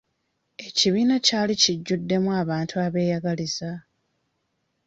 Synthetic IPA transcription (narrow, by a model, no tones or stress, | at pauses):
e̞ciβiːnacaːliciɟːudːe̞mwuaːβaːntʰuaβe̞ːjaɡaliza